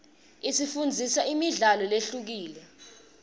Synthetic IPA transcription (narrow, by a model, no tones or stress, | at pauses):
isifund͡zʱisaimiɮalɔleɬuk̬iːlɛ